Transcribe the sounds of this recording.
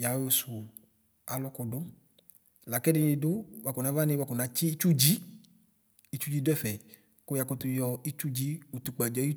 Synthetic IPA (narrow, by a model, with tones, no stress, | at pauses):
ja˨wo˧su˨ | a˨lɔ˦kɔ˧do˦ | la˨kɛ˦nĩ˧do˦wa˨˧ko˨nã˨˦va˦nĩ˧wa˧˨kɔ˨na˨˧˦t͡ʃi˦i˦t͡ʃu˦d͡ʒi˦ | i˦t͡ʃu˦d͡ʒi˦dɛ˦fɛ˨ | ko˦ja˧kɔ˧t̪u˧jɔ˧i˦t͡ʃu˦d͡ʒi˦u˨t̪u˨k͡pa˨d͡ʒɔ˨˦i˦